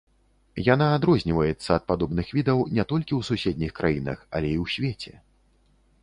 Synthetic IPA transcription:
janaːd̪ɾɔzʲnʲivɐjɛt̪sːɐːt̪̚pad̪ɔbnɨxvʲid̪ɐwnʲɛt̪ɔlʲkʲiwsusʲed̪̚ʲnʲixkɾʔajinɐ̰xɐ̰lʲɛiwsʲvʲet͡sʲɛ̰

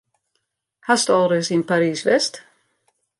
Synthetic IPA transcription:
hasd̪̥alˠɾɪsɪnpʰaɾiːsvɛst̪

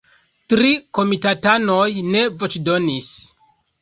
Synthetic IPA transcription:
tɾiko̞mitatano̞jne̞vo̞t͡ʃdo̞nis

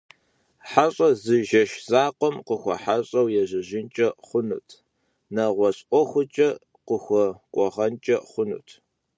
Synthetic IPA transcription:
ħaɕʼɐzɨʒɐʃz̥aːqʷɔmqəxʷɔ̰ħaɕʼɐwjɛʑɪʑɪnt͡ʃʼɐχʷʊnṵːtʰ | nɐʁʷɔɕʼʔʷɔxʷʊt͡ʃʼɐ | qəxʷɔkʷʼɔʁɐnt͡ʃʼɐχʷʊnṵːtʰ

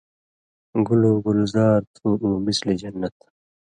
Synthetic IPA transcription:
ɡuluːɡulzaːɾt̪ʰuʔũːmislid͡ʑɐnːɐt̪

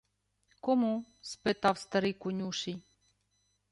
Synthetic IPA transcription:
kɔmuspɛt̪awst̪ɐɾikunʲuʃi

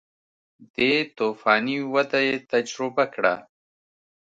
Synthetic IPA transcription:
d̪̥et̪ofɑːniwad̪ajet̪ad͡ʒɾʊbakɽa̰

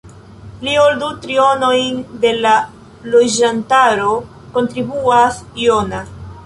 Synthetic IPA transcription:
lioldutɾio̞no̞jnde̞la | lod͡ʒantaɾo̞ | ko̞ntɾibuasio̞na

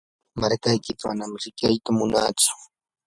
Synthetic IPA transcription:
maɾkajkɪkama̰namɾɪkjajt̪amʊnaːt͡sʊ̥

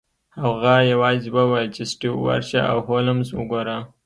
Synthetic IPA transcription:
haɣajawɑːzwawalt͡ʃesʈiwwa̰ɾʃaa̰wɦolamzwəɡoɾa

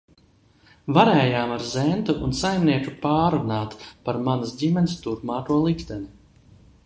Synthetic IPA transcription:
vaɾɛːjaːmaɾzɛnt̪uʔunsajmniɛkupaːɾunaːt̪paɾmanasdʲimʲɛnist̪uɾpmaːk̪uɔlˠikt̪ɛni

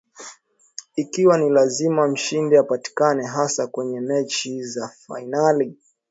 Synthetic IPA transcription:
ikiwanilazimam̩ʃindiapati̥kanɛɦasakwɛɲɛmɛt͡ʃizafa̰inali

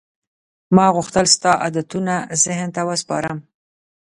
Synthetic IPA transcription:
mɑɣʊxt̪əlst̪ɑʔad̪at̪unazɪhnt̪awəspɑ̰ɾəm

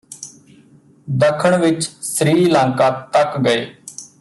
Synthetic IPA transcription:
d̪əkʰəɳʋɪt͡ʃsɾiːlãːŋkãːt̪əkɡəeː

